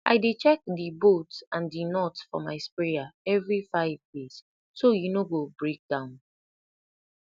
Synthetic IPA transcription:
ʔa̰ɪdet͡ʃɛk̚dibotãndinɔtsfɔ̰maɪspɹeaɛvɹifaɪvjes | sojunoɡobɹek̚dãʊ̃n

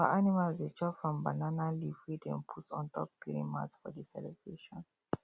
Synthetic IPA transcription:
a̰ʔanimalzet͡ʃɔfɹɔ̃mbananalifɹidɛ̃npʰutsɔ̰̃ntʰɔp̚ɡiḭ̃ma̰tsfɔdisɛ̰lɛbɹeʃɔ̃n

